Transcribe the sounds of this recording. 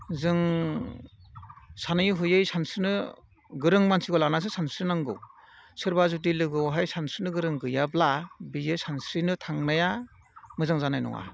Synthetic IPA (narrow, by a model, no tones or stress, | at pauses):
zɯŋ | sanɯjɦujɯjsansɯnɯ | ɡɯɾɯŋmansʰiɡɔlanasɯsansɾɯnaŋɡɯ̰w | sɯɾbazut̬ilɯɡɯwɦajsansɯnɯɡɯɾɯŋɡɯjablabijɯsansɾinɯtʰaŋmaja | mɯzaŋzanajnɔ̰ŋa̰